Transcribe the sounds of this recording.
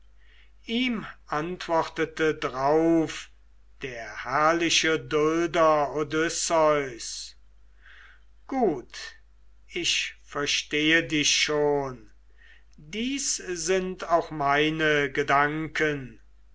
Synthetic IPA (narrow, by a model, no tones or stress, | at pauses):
ʔiːmʔantv̥ɔχtətədʁaʊf | d̥eːɐhæɐlɪʃədʊldɐodʏsɔʏs | ɡ̥uːt | ʔɪʃfɛɐʃteːədɪʃʃoːn | diːszɪntaʊxmaɪnəɡədaŋkʰən